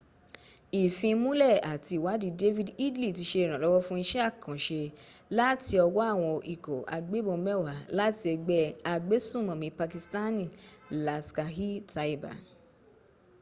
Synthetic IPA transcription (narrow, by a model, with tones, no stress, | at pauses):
i˨fĩ˧mũ˦lɛ˦˨a˨ti˧˨wa˨˦di˧de˦vi˦˨di˦dli˦˨ti˧ʃe˧i˨ɾ̃ã˨lɔ˨˦wɔ˦fũ˦i˧ʃɛ˦a˦˨kã˨ʃe˧la˦ti˧ɔ˧wɔ˦a˦˨w̃ɔ̃˧ʔi˨ko˨a̰˨˧ɡ͡be˨˦bõ˧mɛ˦˨wa˨la˦ti˧ɛ˧ɡ͡bɛ˧a˨ɡ͡be˨˦sũ˦˨mɔ̃˨mĩ˧˦pa˧ki˧sta˦nĩ˦˨la˧ska˧ɦi˦ta˧i˨˦ba̰˨